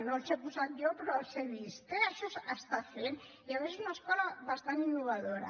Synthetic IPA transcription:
nonsepusat̪d͡ʒopeɾoseβist̪eaʃosast̪aθen | iaβesesunaeskolaβast̪aninːoβ̞aðoɾa̰

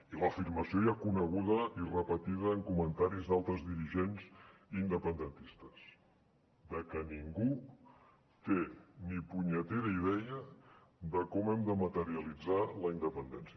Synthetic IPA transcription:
iləfirməsiojakunəɣ̞uðəirəpət̪iðəːŋkumənt̪aɾizðalˠt̪ɾəzðiɾiʒenzind̪əpənd̪ənt̪ist̪əs | d̪əkəniŋɡu | t̪enipuɲət̪eɾəið̞ɛjə | d̪əkɔmɛmd̪əmət̪əɾiəlid͡zaləind̪əpənd̪ɛnsiə

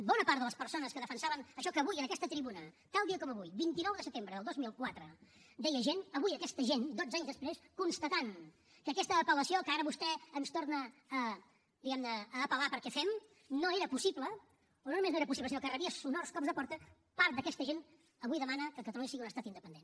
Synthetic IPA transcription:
bɔnəpaɾt̪ðələspəɾsonəskəðəfənsaβənəʃɔkəːβujənəkɛst̪ət̪ɾiβunət̪alˠd̪iəkɔməβujbint̪inɔwðəsət̪embɾəðəlˠd̪ozmilˠkwat̪ɾəd̪ɛjəʒenəβujəkɛst̪əʒend̪od͡zaɲzðəspɾeskunst̪ət̪an | kəːkɛst̪əːpələsiokəaɾəβust̪ɛːnst̪ornəː | d̪iɣɛmnəːpəlapəɾkɛfɛm | noeɾəpusiplə | ononumeznoeɾəpusipləsinokərəβiəsunorskɔbzðəpɔɾt̪ə | paɾt̪d̪əkɛst̪əʒen | əβujðəmanəkəkət̪əluɲəsiɣiunəst̪at̪ind̪əpənd̪en

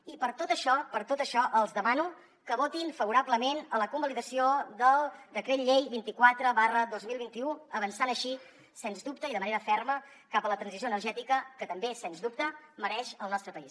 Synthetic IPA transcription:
ipəɾt̪ot̪əʃɔpəɾt̪ot̪əʃɔʔəlˠzðəmanu | kəβot̪infəβuɾaβləmenələkumbəliðəsioðəlˠd̪əkɾeʎejβint̪ikwat̪ɾəβarəðozmilˠβint̪iuəβənsanəʃi | senzd̪up̚t̪əiðəməneɾəfɛrmə | kapələt̪ɾənzis̬oənərʒɛt̪ikəkət̪əmbesɛnzðup̚t̪əməɾɛʃəlˠnɔst̪ɾəpəis

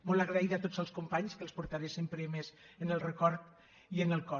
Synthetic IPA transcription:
molaɣɾaiðat̪od͡zəlˠskumpaɲskəlˠspuɾt̪aɾesempɾemez | ənəlˠrəkɔɾt̪ | iənəlˠkɔ

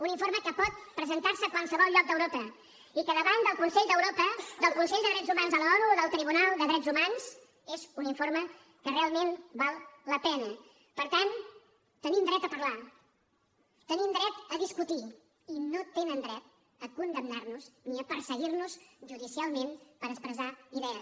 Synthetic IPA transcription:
uniɱfoɾməkəpɔt̪̚pɾəzənt̪aɾsəkwalˠsəβɔlˠʎɔk̚d̪əwɾopə | ikəðəβand̪əlˠkunsɛʎd̪əwɾopəd̪əlˠkunsɛʎd̪əðɾɛd͡zzumanzəlɔɾuðəlˠt̪ɾiβ̞unalˠd̪əðɾɛd͡zzumanz̥ | ezuniɱfoɾmə | kərealˠmenbalˠləpɛnə | pəɾt̪an | t̪ənimd̪ɾɛt̪əpərla | t̪ənimd̪ɾɛt̪əðiskut̪i | inot̪enənd̪ɾɛt̪̚ | əkund̪əmnarnuzniəpəɾsəɣirnusʒuðisialˠmenpəɾəkspɾəzaiðɛə

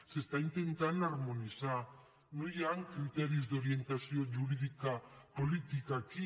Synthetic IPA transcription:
sest̪aint̪e̞nt̪anaɾmonisa | nojaŋkɾit̪eɾizd̪o̞ɾie̞nt̪asioʝuɾiðikapolit̪ikaki

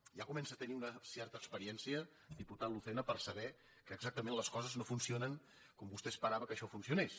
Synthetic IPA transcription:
ʒakumɛnsət̪əniunəsɛrt̪əːkspəɾiɛnsiə | d̪iput̪aluθɛnəpəɾsəβɛ | kəːɡzak̚t̪əmẽnləskɔzəznofunsionəŋ | kɔmbust̪ɛspəɾaβəkəʃɔfunsiunes

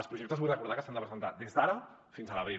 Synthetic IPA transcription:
lˠspɾuʒek̚t̪əβujrəkuɾð̞akəsand̪əpɾəzənt̪ad̪ezd̪aɾə | finzələβi

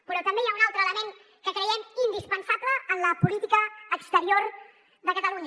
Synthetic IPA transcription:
pəɾɔt̪əmbejaunalˠt̪ɾəːləmeŋ | kəkɾəjɛmind̪ispənsabləːnləpulit̪ikəːkst̪əɾioɾ | ðəkət̪əluɲə

